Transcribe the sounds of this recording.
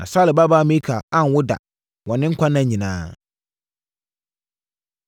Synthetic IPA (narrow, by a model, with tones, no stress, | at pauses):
nʔã̰˨sa˦lɪ˨ba˦ba˦˨mẽ˦kʰa˨a˦n˨wʊ˦da̰˨ | wɔ̃˨nɪ̃˦ŋ̩˦kʷʰã˦nã˦˨ɲĩ˨nãː˦